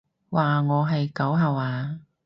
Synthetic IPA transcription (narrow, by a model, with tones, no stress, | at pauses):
waː˨ŋɔː˨˧ɦɐ˨jkɐ˨˥wɦɐ˨˧waː˨˧